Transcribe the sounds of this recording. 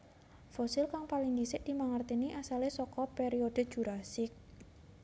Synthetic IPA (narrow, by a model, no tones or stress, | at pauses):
fosɪlkaŋpaliŋd̪isɪʔd̪̥i̤maŋart̪iniʔasalesɔkɔpeɾiod̥ə̤̥ʒ̥uɾasɪk̚